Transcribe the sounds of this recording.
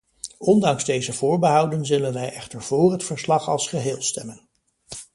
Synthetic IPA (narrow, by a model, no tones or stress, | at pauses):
ɔndɑŋzdejzəv̥ʊːɹbəɦɑwdənzɵlənʋɛjɛχtəɹv̥ʊːrɦətfəɹslɑχɑ̰lˠsχəɦɪːlˠstɛmən